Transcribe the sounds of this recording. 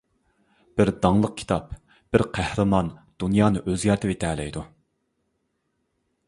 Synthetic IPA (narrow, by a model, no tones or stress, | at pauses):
b̥ɪɾd̪ɑŋlˠəq̚kʲʰi̥t̪ʰɑp | b̥ɪɾqʰæhɾɨmɑnd̪̥unjɑːnɨʔøzjɑɾt̪ʰɪvet̪ʰɛːlɛ̰jd̪u